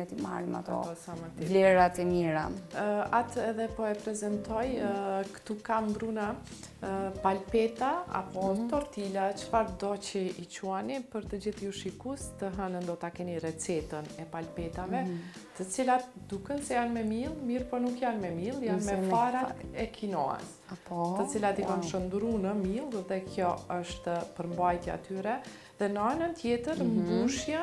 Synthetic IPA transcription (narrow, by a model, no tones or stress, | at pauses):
ɛt̪ima̰ɾima̰t̪ɔ̰ɔsamat̪ivlɛɾat̪ɛmiɾa̰nat̪ɛðɛpɔɛpɾɛzɛnt̪ɔjkt̪ukambɾuna | palpɛt̪aa̰pɔt̪ɔɾt̪ilat͡ʃə̥faɾd̪ɔt͡ɕiʔit͡ɕuanipəɾt̪əd͡ʑiθjuʃikust̪əɦənənd̪ɔt̪akɛnirɛt͡sɛt̪ənɛpalpɛt̪avɛ | t̪ət͡silat̪̚d̪ukɛnsɛjanmɛmilˠmiɾpɔnukjanmɛmilˠjanmɛfaɾat̪ɛkʰinɔɛ̰s | apɔt̪ət͡silat̪ikamʃənd̪ɾunəmilˠðɛkʰjɔəʃt̪pəɾmbajt̪jɛa̰t̪yɾɛ | ðɛnəanənt̪jɛt̪əɾmɡuʃja